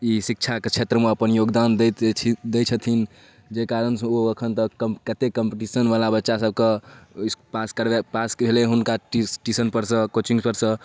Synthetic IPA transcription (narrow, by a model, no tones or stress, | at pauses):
isik̚t͡ʃʰaket͡ʃʰet̪ɾəmeəpənjoɡd̪and̪ed̪et͡ʃʰət̪ʰin | d͡ʒekaɾənsoəkʰənt̪əəkət̪ekəmpeʈisənʋalabətːʃasəb̚ke | paskəɾbepaskbʱeleɦunkaʈisʈisənpəɾsə̃kot͡ʃiŋpəɾsə̃